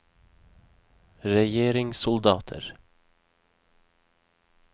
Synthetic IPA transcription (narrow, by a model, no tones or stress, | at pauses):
ɾɛjeːɾɪŋsʊld̪ɑːt̪ʰə̰ɾ